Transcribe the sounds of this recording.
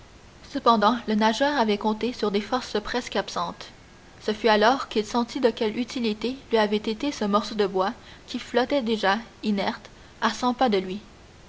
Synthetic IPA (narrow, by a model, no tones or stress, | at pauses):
səpɑ̃d̪ɑ̃lənaʒœːʁavɛkɔ̃t̪esyʁd̪efɔʁspχɛskapsɑ̃t̪ | səfyalɔːʁkilsɑ̃t̪id̪əkʲɛlyt̪ilit̪elɥiavɛt̪et̪esəmɔʁsod̪əbwakʲiflɔt̪ɛd̪eʒainɛʁt̪ | asɑ̃pad̪əlɥi